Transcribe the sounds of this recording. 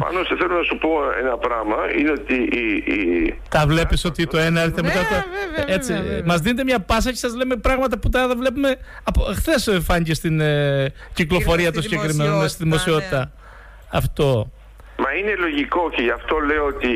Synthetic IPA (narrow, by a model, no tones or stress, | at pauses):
pɐ̰noseθelonɐsupo̞ḛnɐpɾɐmɐḭneot̪i | t̪ɐvle̞piso̞t̪it̪oenɐeɾθemet̪ɐft̪oet͡simɐzðine̞t̪emɲɐpɐs̬ɐce̞sɐzlemepɾɐɣmɐt̪ɐput̪ɐɐðɐvle̞pume̞ | ɐpoxθe̞sfɐɲicest̪in | ciklo̞fo̞ɾiɐt̪usiɟekɾimenonest̪iðimo̞sio̞t̪i̥t̪ɐ | ɐft̪o̞ | mɐinelo̞ʝiko̞ceʝɐft̪o̞le̞oot̪i